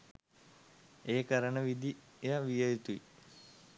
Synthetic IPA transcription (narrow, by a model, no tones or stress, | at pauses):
eːkɐɾəɳəʋid̪ijaʋijɐjit̪uḭ